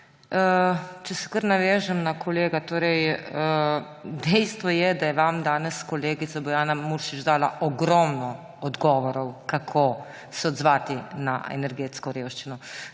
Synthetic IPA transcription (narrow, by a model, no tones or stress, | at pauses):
ət͡ʃɛsɛ̥kəɾnaʋɛːʒɛmnakʰɔleːɡat̪oːɾɛjə | d̪ɛjst̪ʋɔjɛd̪ajɛʋamd̪aːnɛskɔleːɡit̪sabɔjaːnamuɾʃid͡ʒd̪aːlaʔɔɡɾɔmnɔ | ɔd̪ɡɔːʋɔɾɔwkakʰo | sɛɔd̪zʋaːt̪ina̰ḛnɛɾɡeːt̪skɔɾeːwʃt͡ʃinɔ